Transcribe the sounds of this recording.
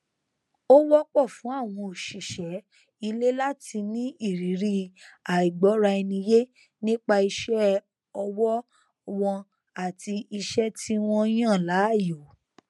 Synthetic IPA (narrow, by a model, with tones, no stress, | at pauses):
o˦wɔ˦k͡pɔ˦˨fũ˨˦a˦˨w̃ɔ̃˧o˨ʃi˨ʃɛ˨˦ | i˧le˦la˦ti˧nĩ˦i˦˨ɾi˨˦ɾi˦˧a˨i˨ɡ͡bɔ˨˦ɾa˧i˧nĩ˧je˦ | nĩ˦k͡pa˧i˧ʃɛ˦ | ɔ˧wɔ˦ | wɔ̃˧ | a˦˨ti˧i˧ʃɛ˦ti˦w̃ɔ̃˦j̃ã˦˨la˨˦˨jo˨˦